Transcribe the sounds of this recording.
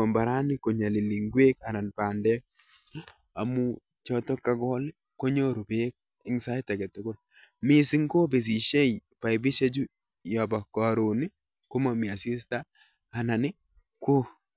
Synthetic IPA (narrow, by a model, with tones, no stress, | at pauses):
ɔ˨mba˨ɾa˦nɪ˦ko˨ɲa˨li˨li˨ŋɡwe˦ka˨na˨npa˨ndɛ˦ | a˨mu˦ | t͡ʃɔ˦tɔ˦kːa˨ɡɔ˦lɪ˦ | ko˦ɲo˦ɾo˨be˦k̚ | ɪ˦ŋsa˦jtɛ˨ɡɛ˨to˨ko˦l | mɪ˦sɪ˦ŋko˦be˨s̬i˨ʃe˦jpa˨ɪ˨bɪ˦t͡ʃe˦d͡ʒu˦ | ja˨ba˨ka˨ɾo˨nɪ˦ | ko˦ma˨mɪ˨a˨si˦staː˦˨ | na˨nɪ˦ | ko˦